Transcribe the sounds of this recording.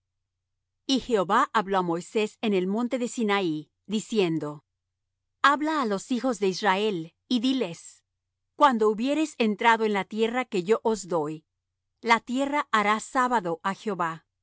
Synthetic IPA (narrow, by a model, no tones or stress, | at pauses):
ixe̞oβaʔaβlo̞amo̞jse̞se̞ne̞lmõ̞nt̪e̞ðe̞sinai | ðisje̞nd̪o̞ | aβlaːlo̞sixo̞zðe̞israe̞l | iðile̞s | kwand̪o̞uβje̞ɾe̞se̞nt̪ɾaðo̞e̞nlat̪je̞rake̞ʝo̞ʔozd̪o̞j | lat̪je̞raʔaɾasaβaðoʔaxeo̞βa